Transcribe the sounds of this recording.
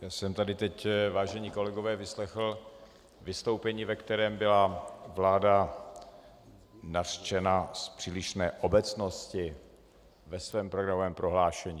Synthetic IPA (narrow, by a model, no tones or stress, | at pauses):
jaːsɛmt̪adɪt̪ɛcvaːʒɛɲiːko̞lɛɡo̞vɛːvɪslɛxl̩ | vɪst̪owpɛɲiːvɛkt̪ɛɾɛːmbɪlavlaːda | nar̥t͡ʃɛnaspr̥iːlɪʃnɛːʔo̞bɛt͡sno̞scɪ | vɛsvɛːmpɾoɡɾamovɛːmpɾo̞ɦlaːʃɛɲiː